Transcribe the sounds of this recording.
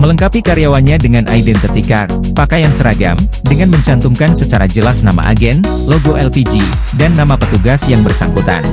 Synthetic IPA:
mələŋkapikaɾijawanɲadəŋanʔa̰idɛnt̪ət̪ikar | pakajansəɾaɡa̰m | dəŋanməɲt͡ʃant̪uŋkansət͡ʃaɾad͡ʒəlasnama̰ʔa̰ɡɛn | loɡoʔɛlpid͡ʒi | danːamapət̪uɡasjaŋbərsa̰ŋkut̪a̰n

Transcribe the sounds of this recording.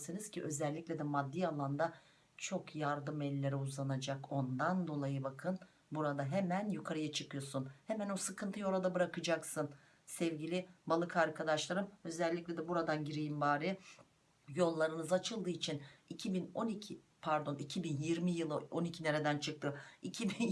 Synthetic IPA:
sɯnɯz̥cʰiʔø̞zɛlʲːiclʲɛd̪ɛmad̪ːialˠand̪a | t͡ʃʰo̞kʰjaɾd̪ɯmɛlʲːe̞ɾiuzlˠanad͡ʒako̞nd̪and̪o̞lˠajɯbakʰɯn | buɾad̪aɦemænjukʰaɾɯjat͡ʃʰɯkʰɯjo̞sunhemæno̞sɯkʰɯnt̪ʰɯjo̞ɾad̪abɯɾakɯd͡ʒaksɯn | sɛvɟilʲibalˠɯkʰaɾkʰad̪aʃlˠaɾɯmø̞zɛlʲːicʲlʲɛd̪ɛbuɾad̪anɟiɾijimbaːɾi | jo̞lˠːaɾɯnɯzat͡ʃʰɯlˠd̪ɯːit͡ʃʰinicʰibino̞nicʰi | pʰæɾd̪o̞nicʰibinjiɾmijɯlˠɯo̞nicʰine̞ɾe̞d̪ænt͡ʃʰɯk̚t̪ʰɯicʰibin

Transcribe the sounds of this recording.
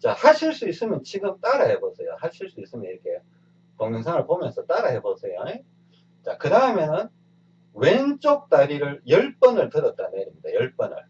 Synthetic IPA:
t͡ɕahaɕʰiɭs͈uis͈ɯmjʌnt͡ɕiɡɯmt͈aɾahebosʰejo̰haɕʰiɭs͈uis͈ɯmjʌniɾʌkʰe̞ | tʌŋʌŋsʰaŋɯɭpomjʌnsʰʌt͈aɾahebosʰe̞joe | t͡ɕakɯdaɯmjʌnɯn | went͡ɕ͈ok̚t͈aɾiɾɯɭjʌɭp͈ʌnɯɭtɯɾʌt̚t͈aneɾɯidajʌɭp͈ʌnɯ̰ɭ

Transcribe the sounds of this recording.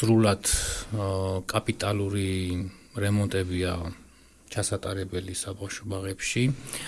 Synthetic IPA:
sɾulad̪̥ | kʼapʼit̪ʼaluɾi | ɾɛmɔnt̪ʼɛbia | t͡ʃʰasat̪ʼaɾɛbɛlisabafʃɔbaʁɛpʃi

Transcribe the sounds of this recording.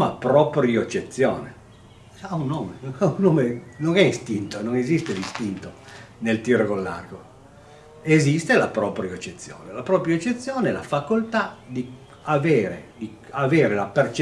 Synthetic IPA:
mapɾɔpɾioet͡ʃːet̪sːjɔːnḛ | aunːoːmeaunːoːmenoŋɛist̪int̪ononezist̪elist̪int̪onelt̪iːɾokolːa̰rɡo | ezist̪elapɾɔːpɾjoet͡ʃːet̪sːjo̰ːnelapɾɔːpɾjoet͡ʃːet̪sːjoːneɛla̰fakolt̪ad̪i | aveːɾḛd̪i | aveːɾelapert͡ʃ

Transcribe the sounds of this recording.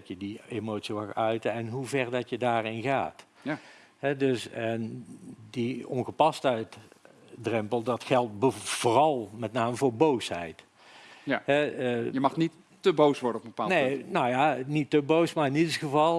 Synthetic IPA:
tjədiemowtsimaxœɥtəɛnɦuvɛrdɑtjədaːrɪnɣa̰ːt | hɛdøsə | diɔnɣəpɑstət | drɛmpəlˠdɑtxɛlˠt̚bv̥oːrɑlˠmɛtnaːməvoːɹbowshɛ̰jt | ɛjəmɑxnitː | əbowsʋɔɹdənɔpbəpaːnenojanitːəbowsmaɹɪnidəsxəvɑlˠ

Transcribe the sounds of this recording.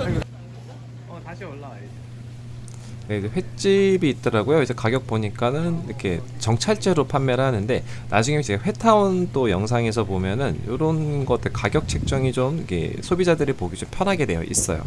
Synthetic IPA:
eid͡ʑeɸwe̞k̚t͡ɕ͈ibiːt̚t͈ʌɾaɡojoid͡ʑe̞kaɡjʌk̚p͈oɲik͈anɯniikʰe̞̰t͡ɕʌŋt͡ɕʰaɭt͡ɕ͈eɾopʰanːjʌɾhanɯnde̞na̰d͡ʑuŋimt͡ɕeɡaɸwe̞tʰaunt͈ojʌŋsʰaŋe̞sʰʌpomjʌnɯnjoɾʌnɡʌt͈ɯɭkaɡjʌk̚t͡ɕʰe̞k̚t͡ɕ͈ʌŋid͡ʑomikʰe̞̰sʰobid͡ʑadɯɾɯɭpoɡid͡ʑompʰjʌnɦaɡe̞dwe̞jʌ̰ʔḭs͈ʌ̰jo̰

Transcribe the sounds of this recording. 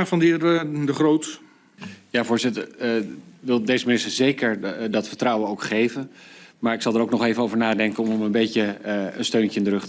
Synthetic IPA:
fɑnɪdəχrowt | jaːvʊːɹzɪtəɹ | ʋɪlˠdejzəmɪnɪstəɹzejkəɹdɑtfəɹtrʌwənowkχejvənmaːɹɪksɑlˠdəɹowk̚nɔχejvənowvəɹnaːdɛŋkənɔmənbejcəənstøɥncəɪndərɵχtə

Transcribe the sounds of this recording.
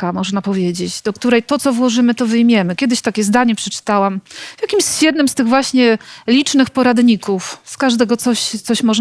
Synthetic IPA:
kamɔʐnapɔvʲjed͡ʑed͡ʑd̪ɔk̚t̪uɾɛjt̪ɔt̪sɔvwɔʐɘmɘt̪ɔvɘjmʲjɛmɘkʲɛd̪ɘɕt̪akʲɛzd̪aɲɛpʂɛt͡ʂɘ̥t̪awamvʲjakʲimɕɕjɛd̪nɘmst̪ɘɣvwaɕɲɛlʲit͡ʂnɘxpɔɾad̪ɲikufskaʐd̪ɛɡɔt̪sɔɕt̪sɔɕmɔʐ

